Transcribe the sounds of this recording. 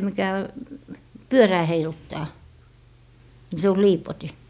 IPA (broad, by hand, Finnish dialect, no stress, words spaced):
mikæ pyøræː heilutːɑː ni se o liːpoti